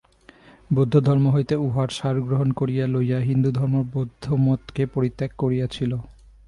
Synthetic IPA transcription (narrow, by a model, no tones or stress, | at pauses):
bod̪ʱːod̪ʱɔɾmoɦojt̪euɦaɾʃaɾɡɾoɦonkoɾijalojaɦind̪ud̪ʱɔɾmoɾbod̪ʱːomɔt̪kepoɾit̪ːekːoɾijat͡ɕʰilo